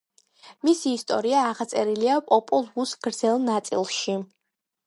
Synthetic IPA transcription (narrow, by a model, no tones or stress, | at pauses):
misiːst̪ʼɔ̰ɾiaːʁat̪sʼɛɾiliapʼɔpʼɔlˠvusɡɾd̪zɛlˠnat̪sʼḭlˠʃi